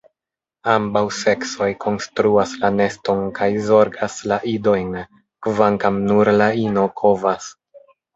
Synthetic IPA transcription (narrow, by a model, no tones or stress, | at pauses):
ambawse̞kso̞jkʰo̞nstɾuaslane̞sto̞nkajzo̞ɾɡaslaʔido̞jn | kvaŋkamnuɾlaino̞kʰo̞vas